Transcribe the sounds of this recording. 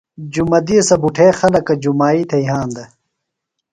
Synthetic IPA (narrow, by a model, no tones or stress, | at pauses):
d͡ʑumɐd̪iɐsɐbuʈʰeːxɐlɐkːɐd͡ʑumaːit̪ʰɐiɦãːnd̪ɐ